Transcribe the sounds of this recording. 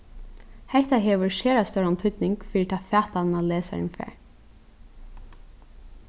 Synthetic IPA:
hɛht̪aɦɛːʋʏɹʃeːɹast̪œɹant̪ʰʏt̪nɪŋkfiːɾɪt̪ʰaːfæːht̪annaleːsa̰ɹɪ̰nfɛ̰ːɹ

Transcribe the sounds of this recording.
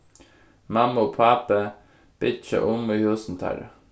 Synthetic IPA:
mɑmoːpʰɑːpə | b̥ɪt͡ʃə̰ʔʊmuːhʉːsn̩t̪ʰæ̰ɾə

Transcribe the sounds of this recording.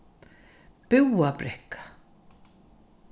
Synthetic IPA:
pɪwapɾɛhkḁ

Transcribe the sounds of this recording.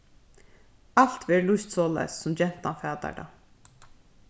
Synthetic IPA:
al̥t̪ʋɛːɾlʊjst̪sɔːla̰jsːʊmd͡ʒɛn̥t̪anfæːt̪a̰ɖa̰ː

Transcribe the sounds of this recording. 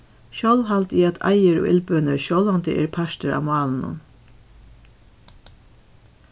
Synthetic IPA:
ʃœlʋɦalt̪iːat̪ʰa̰jəɾɔ̰ʔɪ̰lpønəʃjɔlʋant̪əʔɛ̰ːɾpʰaʂt̪əɾa̰mʊaːln̩ʊ̰n

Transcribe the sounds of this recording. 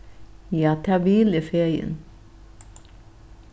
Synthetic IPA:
jɑːt̪ʰɑːʋiːləfeːjə̰n

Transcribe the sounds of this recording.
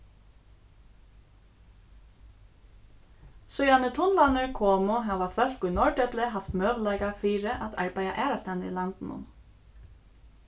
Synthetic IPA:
sœʏjanət̪ʰʊnlanəɹkʰɔːmʊɦaːʋafœl̥kʊjnɔɹɖœplɪɦaft̪møːʋlaɪkafiːɾɪʔat̪a̰ɹpæjaʔɛːɾast̪ɛnilant̪nʊ̰n

